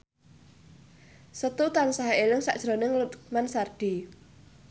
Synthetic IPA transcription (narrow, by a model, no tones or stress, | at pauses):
sət̪ut̪ansaɦelɪŋsa̰ʔd̥ʒ̥ɾo̤nɪŋlʊt̪mansard̥i